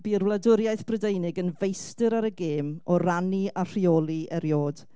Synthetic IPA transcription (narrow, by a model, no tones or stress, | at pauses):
b̥irwlˠadʊɾjajθb̥rədejnɪɡənvejstɨɾaɾəɡeːmɔraniar̥ioːlˠiʔɛɾjoːd̥